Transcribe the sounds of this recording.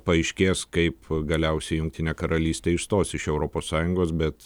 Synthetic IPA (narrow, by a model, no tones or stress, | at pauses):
pɐɛɪʃʲkʲeːskɐɪpɡɐlʲɛʊsʲɛɪjʊŋktʲɪnʲeːkɐɾɐlʲiːsʲt̪ʲeːɪʃst̪oːsɪʃɛʊɾoːpoːssɑːjʊŋɡoːsbʲɛt̪